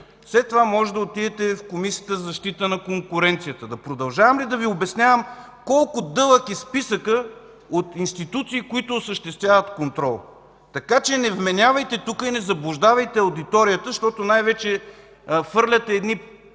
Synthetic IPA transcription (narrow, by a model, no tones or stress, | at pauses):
fslɛt̪ːovamɔʒɛd̪ɐot̪id̪ɛt̪ɛfkomisijət̪əzzɐʃt̪it̪ənɐkoŋkʊɾɛnt̪sijət̪əd̪ɐpɾod̪ɐlˠʒavəmlid̪ɐviobɛsnʲavəm | kɔlˠkʊd̪ɤlˠəkispisəkə | ot̪inst̪it̪ut̪siːkʊit̪oːsəʃt̪ɛst̪vʲjavət̪kont̪ɾɔlˠ | t̪ɐkat͡ʃɛnɛvmɛnʲavɐjt̪ɛt̪ukəinɛzɐblˠʊʒd̪avɐjt̪ɛɐwd̪it̪ɔɾijət̪əʃt̪ɔt̪onajvɛt͡ʃɛ | fɤɾlʲɐt̪ɛːd̪ni